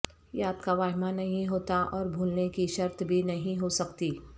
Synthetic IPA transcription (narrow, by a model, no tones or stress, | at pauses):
jaːd̪kaʋaːɦɪmanɐɦĩɦoːt̪aʔɔːɾbʱuːlnekiʃɐɾt̪bʱinɐɦĩɦosɐkt̪iː